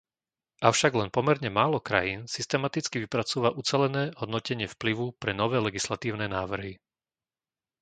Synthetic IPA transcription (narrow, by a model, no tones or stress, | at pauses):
ʔaʊʃaɡlɛnpɔmɛɾɲɛmaːlɔkɾa̰jiːnsist̪ɛmat̪it͡skiʋipɾat͡suʋaʔut͡sɛlɛnɛːɦɔd̪nɔcɛɲɪɛfpliʋupɾɛnɔʋɛːlɛɡislat̪iːʊnɛːnaːʋr̩ɦi